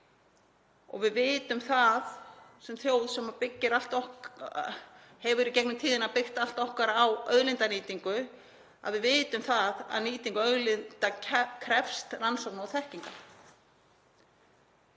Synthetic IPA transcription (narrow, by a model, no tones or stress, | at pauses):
ɔ̰ɣvɪðvɪːt̪ʏmθaðsɛmθjoːwðsɛmapɪcːɪɾal̥t̪ɔh | hɛvʏɾicɛknʏmt̪ʰiːðɪnapɪr̥t̪al̥t̪ɔhkaɾaawœðlɪnt̪aniːt̪iŋkʏ | a̰ðvɪðvɪːt̪ʏmθaða̰ðniːt̪iŋkœðlɪnt̪acʰkʰɾɛfst̪ransɔk̚naɔθɛhciŋka